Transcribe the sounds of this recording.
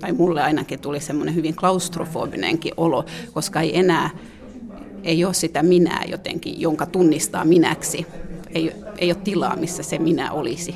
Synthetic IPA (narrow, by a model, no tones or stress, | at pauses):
t̪ɑimulːeɑinɑkit̪ulisemːonehyʋiŋklɑust̪rofo̰ːbinḛŋkḭʔolokoskɑeienæː | eioːssit̪æminæ̰ːjo̰t̪ḛŋkḭjoŋkɑt̪unːist̪ɑ̰ːminæ̰ksieiḛijˑoːt̪t̪ilɑ̰ːmisːæseminæ̰ʔolisi